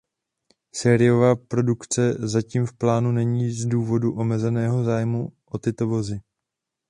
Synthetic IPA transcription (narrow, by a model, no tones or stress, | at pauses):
sɛːɾɪo̞vaːpɾo̞dukt͡sɛzaciːmfplaːnunɛɲiːzduːvo̞duʔo̞mɛzɛnɛːɦo̞zaːjmuʔo̞t̪ɪt̪o̞vo̞zɪ